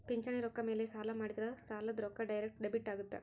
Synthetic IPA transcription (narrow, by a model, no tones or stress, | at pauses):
piɲt͡ʃɐɳiɾɔkːɐmeːlesaːlɐmaːɽid̪ɾɐsaːlɐd̪ɾɔkːɐɖɐjɾekʈɖebiʈːaːɡut̪ːḛ